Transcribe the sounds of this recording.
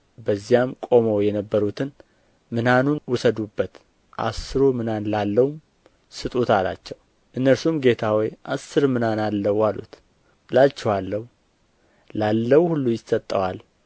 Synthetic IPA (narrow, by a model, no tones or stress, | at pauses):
bəzːijamkʼo̞mowjɛnəbːəɾut̪ʰɨn | mɨnanunwʊsəd̪ubːət̪ | ʔa̰sɨɾomɨnanlalːəwum | sɨt̪ʼut̪ʰala̰t͡ʃːɛw | ʔɨnːəɾsumɡe̞t̪ʰawijʔasːɨɾmɨnanalːəwalṵt̪ | lat͡ʃːɛwalːəhu | lalːəwhulːujɪsət̪ʼːəwal